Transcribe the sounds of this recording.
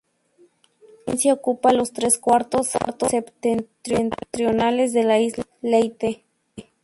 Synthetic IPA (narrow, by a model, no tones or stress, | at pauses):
ḭnsaokupalost̪ɾeskwaɾt̪osa̰ɾt̪osept̪ent̪ɾent̪ɾjonalezðelaislejt̪e